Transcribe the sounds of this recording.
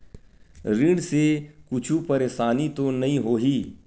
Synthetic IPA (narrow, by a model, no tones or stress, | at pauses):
ɾɪ̃ɖsekʊt͡ʃʰupɐɾeːʃaːnit̪onɐɦĩɦoːɦiː